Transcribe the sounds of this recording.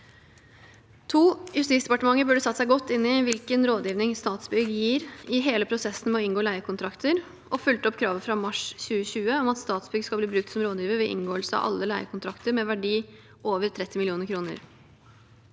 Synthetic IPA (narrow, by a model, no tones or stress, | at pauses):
t̪ʰuːjʉst̪it̪sd̪ɛpɑʈəmɑŋːəɾbʉɖəsɑt̪ːsæɪɡɔt̪ːɪnːɪʋɪlkənɾoːd̪jiːʋnɪŋst̪ɑːt̪sbʏɡjiːɾɪɦeːləpʰɾʊsɛsːən̩mɛɔɪŋɡoːlæɪəkʰʊnt̪ʰɾɑkt̪ʰəɾ | ʔɔfʉlt̪ɔpːkʰɾɑːʋəfɾɑmɑʂɕʉːəɕʉːəɔmɑt̪st̪ɑːt̪sbʏɡskɑb̪iːbɾʉkt̪sɔmɾoːd̪jiːʋəʋɛʔɪ̰nɡoːəlsəɑ̰ʋʔɑ̰lːəlæɪəkʰʊnt̪ʰɾɑkt̪əɾmɛʋæɖiː | ʔoːʋəɾt̪ʰɾɛt̪ʰːɪmɪlɪuːnəɾkʰɾuːnə̰ɾ